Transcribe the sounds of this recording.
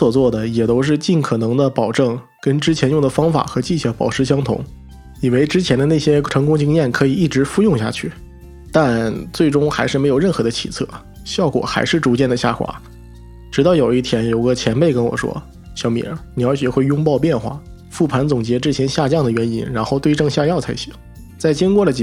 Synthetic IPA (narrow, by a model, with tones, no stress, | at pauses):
swɔ˨˩t͡swɔ˥˩d̪ə˩jɛ˨˩t̪o˥ʊʂ̬ɻ̩˥˧t͡ɕi˥˩nkʰɤ˨˩nɤ˧˥ŋd̪ə˧pɑ˨˩ʊʈ͡ʂɤ˥˩ŋ | kə˥nʈ͡ʂɻ̩˥t͡ɕʰjɛ˧˥njʊ˥˩ŋd̪ə˩fɑ˥ŋfa̰˨˩xɤ˧˥t͡ɕi˥˧ɕʰɥɛ˥˩pɑ̰˨˩ʊʈ͡ʂʰɻ̩˧˥ɕjɑ˥ŋt̪ʰʊ̰˧˥ŋ | i˨˩we˥ɪʈ͡ʂɻ̩˥t͡ɕʰjɛ˧˥nd̪ə˧na˥˩ɕjɛ˥ʈ͡ʂʰɤ˧˥ŋkʊ˥ŋt͡ɕi˥ŋjɛ˥˩nkʰɤ˧˥i˨˩i˥˩ʈ͡ʂɻ̩˧˥fu˥˧jʊ˥˧ŋɕja̰˥˩t͡ɕʰy˥˩ | t̪a˥˧nt͡swe˥˩ɪʈ͡ʂʊ˥ŋxa˧˥ɪʂɻ̩˥˩m˧˥ɪjʊɻə˥˩nxɤ˧˥d̪ə˧t͡ɕʰḭ˨˩t͡sʰɤ̰˥˩ | ɕjɑ˥˩ʊkwɔ̰˨˩xa˧˥ɪʂɻ̩˥˩ʈ͡ʂu˧˥t͡ɕjɛ˥˩nd̪ə˩ɕja̰˥˩xwa̰˧˥ | ʈ͡ʂɻ̩˧˥t̪ɑ˥˩ʊjo˨˩ʊi˥˩t̪ʰjɛ˥njo˨˩ʊɡə˧t͡ɕʰjɛ˧˥npe˥˩ɪkə˥nwɔ̰˨˩ʂwɔ̰˥ | ɕjɑ˥ʊmḭ˧˩ə˥ni˨˩ɑ˞˧˥ɕɥɛ˨˩xwe˥˩ɪjʊ˥ŋpɑ˥˧ʊp̬jɛ˥˧nxwa̰˥˩ | fu˥˩pʰa˧˥nt͡sʊ˨˩ŋt͡ɕjɛ˧˥ʈ͡ʂɻ̩˥t͡ɕʰjɛ˧˥nɕja˥˧t͡ɕjɑ˥˩ŋd̪ə˩ɥɛ˧˥ni˥nɻa˧˥nxo˥˧ʊt̪we˥˧ɪʈ͡ʂɤ˥˧ŋɕja˥˧jɑ˥˩ʊt͡sʰa˥ɪɕʰḭ˨˩˦ | t͡sa˥˩ɪt͡ɕi˥ŋkwɔ˥˩lə˩t͡ɕ